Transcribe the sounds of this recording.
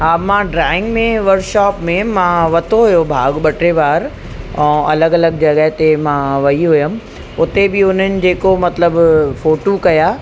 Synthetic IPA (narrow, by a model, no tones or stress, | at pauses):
ɦaːmãːɖɾaːɪ̃ŋɡmẽʋɐɾkʃaːpmẽmãʋɐt̪ʰoɦʊjobʱaːɡɓɐʈɾeʋaːɾ | ɛ̃ːɐləɡɐləɡd͡ʑɐɠəɦɪt̪emãʋɐiɦʊjəm̆ | ʊt̪ebɪʊn̤ənɪ̆d͡ʑeːkomɐt̪ləbfoːʈokɐjaː